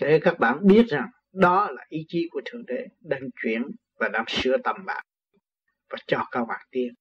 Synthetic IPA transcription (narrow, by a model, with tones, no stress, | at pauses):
e˨˦kaː˦˥k̚ɓa̰ː˧˨nɓi˦˥ət̚za˨˩ŋ | ɗɔ˨˦laː˨˩ʔi˨˦t͡ɕi˨˦ku˧˩ət̪ʰɨ˨˧˩əŋɗe˧˩ɗə˧˩ŋt͡ɕwḭ˧˩˨ən | vaː˨˩laː˧˩ŋsɨ˧ət̪ə˨˩mɓa̰ː˧˨ŋ | vaː˨˩t͡ɕɔ˧˩kəː˧wŋa˨˩k̚t̪i˧ən